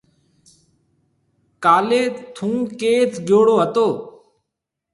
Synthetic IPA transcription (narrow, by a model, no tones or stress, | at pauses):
kaːleːt̪ʰũːkeːt͡sɡʱjoːɽoːɦət̪oː